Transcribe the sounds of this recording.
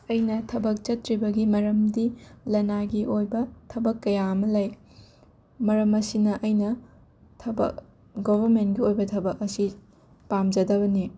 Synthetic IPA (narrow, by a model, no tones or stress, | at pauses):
ɐjnɐtʰɐbɐk̚t͡ʃɐtɾibɐɡimɐɾɐmdilɐnaɡiʔojbɐtʰɐbɐkːɐjamɐlɐj | mɐɾɐmɐsinɐʔɐjnɐ | tʰɐbɐ̰k̚ | ɡobʱɐɾmentɡiojbɐtʰɐbɐkɐsi | pamd͡ʒɐdɐbɐni